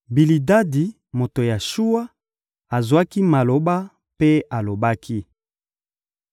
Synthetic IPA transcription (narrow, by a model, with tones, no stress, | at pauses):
bi˨li˨da˦di˨ | mo˨to˨ja˨ʃu˦wa˦ | a˨zwa˦ki˦ma˨lo˨ba˦ | pe˦a˨lo˨ba˦kʰi˦